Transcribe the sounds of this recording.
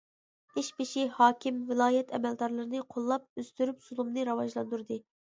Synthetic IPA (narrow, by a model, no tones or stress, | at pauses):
iʃbɪʃihɑːkʲʰimvɪlˠɑːjɛt̪ʰɛmɛld̪ɑɾlˠɨɾɨnɨqʰolˠːɑp̚øz̥t̪yɾypsulˠumnɨɾɑwɑʒlˠɑnd̪uɾd̪ɨ